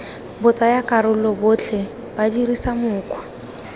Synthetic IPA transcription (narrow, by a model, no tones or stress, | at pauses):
bʊt͡sʼajakʼaɾʊlɔbʊt͡ɬʰɛ | b̥adirisamʊːkʼwa